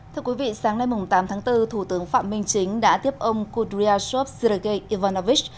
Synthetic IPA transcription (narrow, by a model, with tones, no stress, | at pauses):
t̪ʰɨ˧əkwi˨˦vḭ˧˨saː˨˦ŋna˧jmʊ˨˩ŋ͡mt̪aː˨˦mt̪ʰaː˨˦ŋt̪ɨ˧t̪ʰu˧˩t̪ɨ˨˦əŋfa̰ː˧˨mï˧ŋ̟t͡ɕï˨˦ŋ̟ɗa̰ː˧˥t̪i˦˥əp̚ʔə˧wŋ͡mku˧tɾi˧aː˧so˦˥p̚si˧ɾə˧ke˧jʔi˧vaː˧nɔ˧vi˦˥t͡ɕ̚